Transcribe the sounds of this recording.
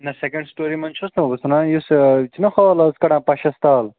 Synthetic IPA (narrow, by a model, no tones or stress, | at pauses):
nɐsekɐ̃ɳɖsʈoːɾimɐnt͡ʃʰusnɐbɐbɐsunãjust͡ʃʰinɐxoːlɐskɐɽãːpɐʃɐst̪aːl